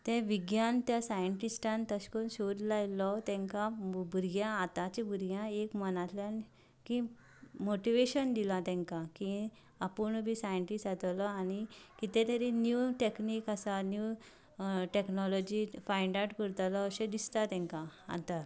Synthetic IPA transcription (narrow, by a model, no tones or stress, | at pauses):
t̪ɛ̃ʋiɡjant̪jasajəɳʈisʈãnt̪əɕkənɕod̪lajlɔt̪ɛ̃ŋkabʱuɾɡjãːt̪at͡ɕebʱuɾjãekmənat̪ljan | kĩ | moʈiʋeɕənd̪ilat̪ɛ̃ŋkakĩ | apuɳbʱisajəɳʈisʈat̪alɔanikit̪ɛ̃t̪aɾinjuʈeknikasanju | ʈeknɔlɔd͡ʑifajɳɖawʈkəɾt̪alɔːɕẽd̪ist̪at̪ɛ̃ŋkãa̰t̪a